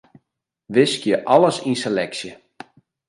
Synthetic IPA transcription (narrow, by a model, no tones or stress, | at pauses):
ʋɪskjəʔɑləsinselɛksjə